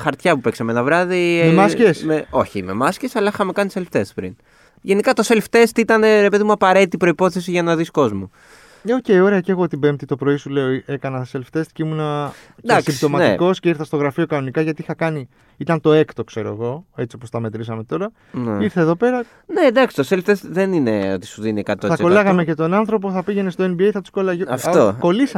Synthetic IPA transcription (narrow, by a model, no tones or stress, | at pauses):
xɐɾt̪çɐpupeksɐmeenɐvɾɐðimemascesmeo̞çimḛmɐsce̞sɐlɐixɐme̞kɐniselft̪espɾḭn | ʝe̞nikɐt̪o̞se̞lft̪e̞st̪it̪ɐneɾe̞pe̞ðimuɐpɐɾe̞t̪it̪ipɾo̞ipo̞θe̞siʝɐnɐðisko̞zmu | ocejo̞ɾeɐceeɣo̞t̪ibemt̪it̪o̞pɾo̞isule̞o̞ie̞kɐnɐselft̪e̞st̪ceimunɐ | d̪asimbt̪o̞mɐiko̞sceiɾθɐst̪oɣɾɐfio̞kɐno̞nikɐʝɐt̪iixɐkɐni | it̪ɐnt̪o̞e̞kt̪o̞kse̞ɾo̞̰ḛɣo̞e̞t͡sio̞po̞st̪ɐme̞t̪ɾisɐme̞t̪o̞ɾɐ | niɾθeðo̞pe̞ɾɐ | ne̞d̪ɐksi̥t̪oselft̪esðenineot̪i̥suðinikɐt̪oθɐko̞lɐɣɐme̞ce̞t̪o̞nɐnθɾo̞p̬o̞θɐpiʝenest̪o̞e̞nbiejθɐt̪u̥sko̞lɐʝoɐft̪oko̞lisɐ